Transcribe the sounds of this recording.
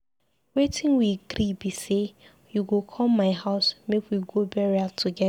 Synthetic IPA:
wetʰĩnwiɡɾibise | juɡokʰɔlmaɪɦaʊsmekwiɡobɛɹiatʰuɡɛ

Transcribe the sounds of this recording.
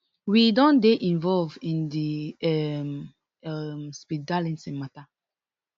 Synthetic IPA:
widɔ̃ndeʔĩnvɔlvĩndiɛm | ɛmspidalɛ̃nsɛ̃mata

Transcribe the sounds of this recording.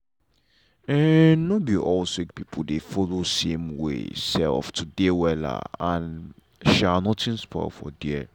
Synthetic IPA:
ɛnobiʔɔlsik̚pipʰudefɔlosẽmwḛsɛ̰lftʰudewɛla̰ãn | ʃanɔtĩnspʰɔ̰ɪ̰fɔ̰dɛɛ

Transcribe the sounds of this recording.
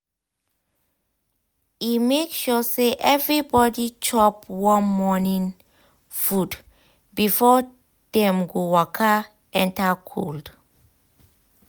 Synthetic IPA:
imekʃɔseʔɛvɹibɔdit͡ʃʰɔpwɔ̃nmɔnĩŋ | fud | bifɔ | dɛ̃mɡowɔkʰa | ɛ̃ntakʰo̰ld̥

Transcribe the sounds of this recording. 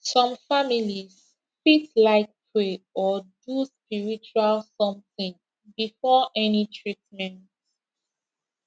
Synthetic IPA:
sɔ̃mfamilis | fitlaɪk̚tʰweɔduspiɹit͡ʃualsɔ̃mθĩŋ | bifɔʔɛnitʰɹitmɛ̃nt

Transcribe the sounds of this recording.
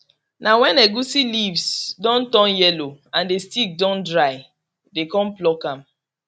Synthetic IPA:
nawɛ̃nɛɡusilivsdɔ̃ntɔ̃njɛloãndestik̚dɔ̃ndɹaɪ | dekɔ̃m̩plɔkãm

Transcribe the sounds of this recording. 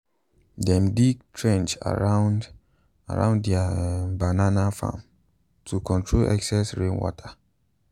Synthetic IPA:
dɛ̃mdik̚tʰɹɛ̃nt͡ʃa̰ɹan | a̰ɹã̰ʊ̃nddɛabananafã̰m | tʰukʰɔ̃ntʰɹolʔɛ̰ksɛsɹẽnwɔ̰tʰa

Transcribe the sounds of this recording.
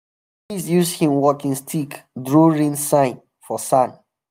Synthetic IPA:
isjusdhĩmwɔkĩŋstʰikdɹoɹĩnsãɪ̃n | fɔsãn

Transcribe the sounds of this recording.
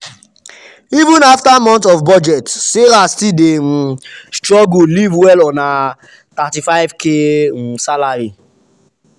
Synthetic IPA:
ivũnaftamɔ̃ntɔvbɔd͡ʒɛtseɾastidem̩̃stɾɔɡulivwɛlɔna | tatifaɪvkesalaɾi

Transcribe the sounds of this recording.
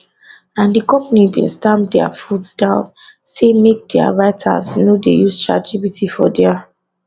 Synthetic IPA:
ãndikɔ̃mpanibḭ̃nstãmdɛa̰futsdãʊ̃n | semek̚dɛa̰ɹaɪtʰa̰snodḛjust͡ʃad͡ʒivitifɔdɛa

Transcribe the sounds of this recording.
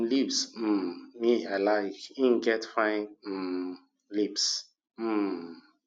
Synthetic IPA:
lipsm̩miaɪlaɪkĩn̩ɡɛtfãɪ̃n̩ | lips | m̩

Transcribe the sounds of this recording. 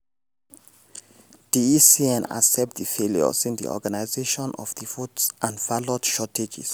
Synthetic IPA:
d̥iisiɛ̃na̰sɛp̚tdifeljɔ̰sĩndḭʔɔ̰ɡanaɪzeʃɔ̃nɔvdifutsʔãnvalodʃɔtʰed͡ʒḭs

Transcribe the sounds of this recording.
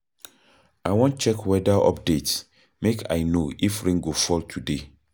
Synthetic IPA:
awɔ̃n̚t͡ʃɛkwɛdaʔɔ̰p̚dets | mekʰa̰jnoifɹĩŋɡofɔltʰude

